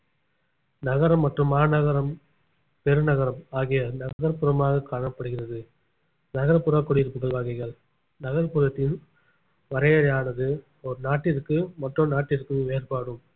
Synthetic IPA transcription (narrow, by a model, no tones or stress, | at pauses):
nɐɣɐɾɐmːɐʈrɯmːaːnɐɣɐɾɐm | pɛɾɯnɐɣɐɾɐmaːɣɪjɐnɐɣɣɐɾpːɯɾɐmaːɣɐkaːɳɐpːɐɽɯɣɪrɐðɯ | nɐɣɐɾɐpːɯɾɐkːɔɽɯɪɾɯpːɯɣɐɭʋaːɣɐɪɣɐɭ | nɐɣɐɾpɯɾɐt̪ːɪn | ʋɐɾɐjɐɾɐjaːnɐðɯ | ɔɾnaːʈːɪɾkːɯmɐʈrɯnaːʈːɪɾɯkːɯʋeːɾpaːɽɯm